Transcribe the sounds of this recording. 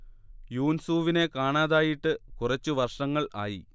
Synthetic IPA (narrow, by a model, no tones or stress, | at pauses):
juːnsuːʋine̞kaːɳaːðaːjiʈːɨkurɐt͡ɕːuʋɐrʂɐŋːɐɭa̰ːji